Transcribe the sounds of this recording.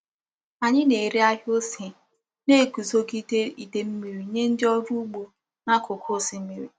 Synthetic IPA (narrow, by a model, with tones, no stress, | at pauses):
a˨ɲɪ˦ne˨ɾi˦a˦ɦo˦se˨ | ne˦˨ku˨zo˦ɡi˦de˦i˨de˨m̩˦mi˨ɾi˨˦ɲe˦n̩˦dɪ˦ɔ˦ɾu˦ɡ͡bu˨ | na˦kʊ˨kʰʊ˦si˨m̩˦mi˨ɾḭ˨